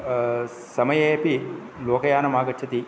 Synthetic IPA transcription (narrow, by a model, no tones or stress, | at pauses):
sɐmɐjeːpi | loːkɐjaːnɐmaːɡɐtːt͡ʃʰɐt̪i